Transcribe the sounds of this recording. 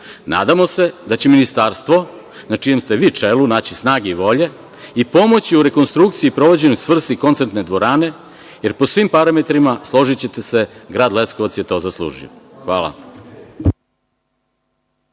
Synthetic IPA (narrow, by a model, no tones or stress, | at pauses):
na̰ːd̪amo̞se̞d̪at͡ɕeminist̪aːɾst̪ʋo̞ | nat͡ʂijemst̪e̞ʋiːt͡ʂelunaːt͡ɕisnaːɡeiʋo̞ʎe̞ | ipo̞mo̞t͡ɕiuɾe̞ko̞nst̪ɾuk̚t̪siiːpɾo̞ʋo̞d͡ʑenojsʋr̩st̪ikont̪sent̪ned̪ʋo̞ɾaːne̞ | je̞ɾpo̞sʋimpaɾame̞t̪ɾimaslˠo̞ʒit͡ɕe̞t̪e̞se̞ɡɾaːd̪le̞skoʋat̪sje̞t̪o̞zaslˠṵːʒḭo̰xʋa̰ːla̰